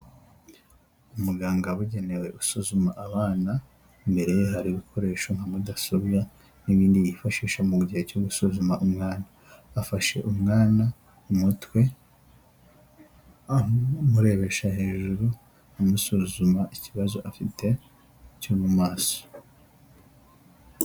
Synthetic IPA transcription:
umuɡaːŋɡaβuɟe̞ne̞we̞usuzumaʔːβaːna | mbe̞ɾe̞ɦaɾiβikʰo̞ɾe̞ːʃo̞ŋ̥hamudasoβja | niβiːndijifaʃiːʃamuuɟihecoɡusuzumaʔumŋaːnaː | faʃe̞̰ʔumŋaːna | umutwe̞ | amuɾe̞βe̞ʃahe̞ːʒuɾu | amusuzumaʔiciβazo̞̰ʔafitʰe̞ | cuːmumaːso̥

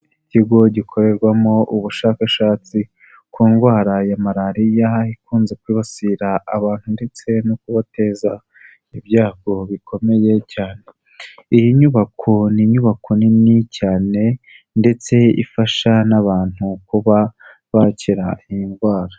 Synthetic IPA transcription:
iciɡo̞ɟikʰo̞ɾe̞ɾɡwamo̞ʔuβuʃakaʃaːt͡si | kuːŋɡwaːɾajamaɾaɾijaikuːnze̞kwiːβasiɾaːβaːnhunde̞t͡se̞nokuβate̞ːza | iβɟaːɡo̞βikʰo̞me̞je̞caːne̞ | ijiɲuβakʰoniɲuβakʰoninicaːne̞ | nde̞t͡se̞ḭfaʃanaβaːn̥hukuβa | βacʰiɾaijiŋɡwaːɾa

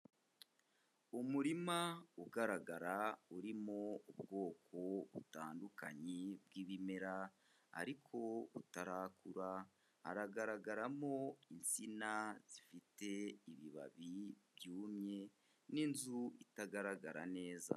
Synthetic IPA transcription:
umuɾimauɡaɾaɡaɾauɾimoubɡo̞ːkʰo̞βutaːnduka̰ɲeb̚ɡiːβimeɾa | a̰ɾikʰo̞utaɾakuɾa | ha̰ɾaɡaɾaɡaɾamo̞int͡sinaz̥ifite̞iβiβa̰βibjuːmɲe̞ | ninzuitaɡaɾaɡaɾa̰ne̞ːza̰

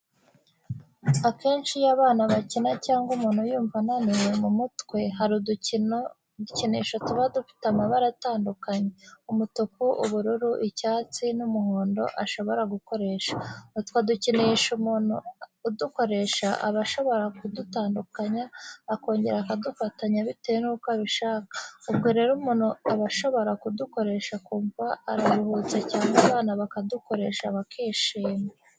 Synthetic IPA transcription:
ake̞ːnʃijaβaːnaβacinacaːŋɡumuːn̥hujuːɱvananije̞mumutwe̞haɾu | uceniʃotuβadufi̥tamaβaɾataːndukaɲe̞umutukuʔuβuɾuɾuʔicaːt͡sinumuhoːndo̞̰ʔaʃo̞βo̞ɾaɡuko̞ɾe̞ːʃḁtu̥kaducineʃumuːnuːduko̞ɾe̞ʃaʔa̰βaʃo̞βo̞ɾakudutaːndukaɲaːko̞ːɲɟe̞ɾaːkadufataɲaβitejenuːkwaβiʃaːkḁubɡo̞ɾe̞ːɾumuːnhuaβaʃo̞βo̞ɾakuduko̞ɾe̞ʃakuːɱvaːɾaɾuhuːt͡secaːŋɡaβaːnaβakaduko̞ɾe̞ːʃaβakʰiːʃiːma

